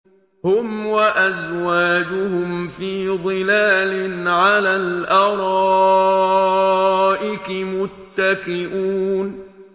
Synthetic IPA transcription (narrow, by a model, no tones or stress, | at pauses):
hʊmwaʔazwaːd͡ʒʊhʊmfiːd̪ˤɨlaːlɪnʕalaːlʔɑɾˤɑ | ʔɪkɪmʊt̪ːakɪʔuːn